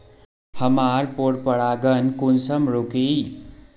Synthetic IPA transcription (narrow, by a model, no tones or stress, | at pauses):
həmaːɾpoɾpəɽaːɡənkunsəmɾoki